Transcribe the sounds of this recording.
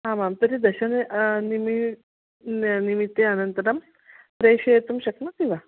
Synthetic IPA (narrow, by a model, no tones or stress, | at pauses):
ɦãmamt̪əɾid̪əɕənnimi | nimit̪ːeənənt̪əɾəm | pɾeɕeet̪umɕəknakĩʋa